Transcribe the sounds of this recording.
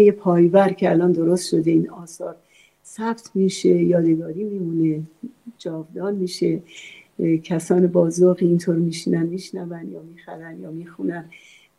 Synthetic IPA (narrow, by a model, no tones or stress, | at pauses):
jepʰɒːjvæɾcʰeælɒːnd̪o̞ɾost̪ʃo̞d̪eiːnɒːsɒːɾ | sæb̥t̪ʰmiːʃejɒːd̪eɡɒːɾiːmiːmuned͡ʒɒːvd̪ɒːnmiːʃe | cʰæsɒːnebɒːzoɣiːnt̪ʰoːɾmiːʃiːnænmiːʃnævænd̪jɒːmiːxæɾænd̪jɒːmiːxunæn